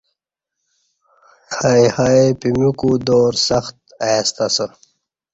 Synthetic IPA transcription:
haihaepimukud̪oːɾsɐxt̪ | ast̪asə

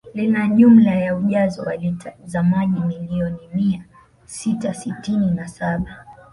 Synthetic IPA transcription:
linaɲum̩lajauʄazɔwalitazamaʄimiliɔnimia | sitasitininasaɓa

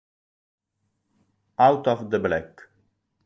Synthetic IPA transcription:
awtɔvd̪əblɛk

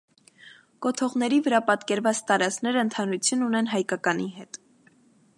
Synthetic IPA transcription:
kɔt̪ʰɔʁnɛɾivəɾɑpɑt̪kɛɾvɑt͡st̪ɑɾɑt͡sknɛɾəənt̪ʰɑnɾut͡sʰjununɛnɦɑjkɑkɑniɦɛt̪

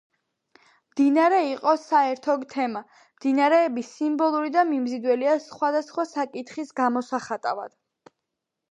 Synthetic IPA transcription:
md̪inaɾɛiqʼɔsaɛɾt̪ʰɔt̪ʰɛma | md̪̥inaɾɛːbisimbɔlˠuɾid̪amimzid̪wɛliasχwad̪asχwasakʼit̪ʰχisɡamɔsaχat̪ʼa̰va̰d̪̥

